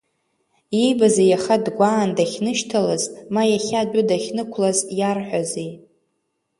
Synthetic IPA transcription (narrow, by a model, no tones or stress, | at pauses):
ibazejaχadɡʷaːndaχʲnɨʃtʰalaztʼmajaχʲadʷʊdaχʲnɨkʷʰlazjarħʷᶣazej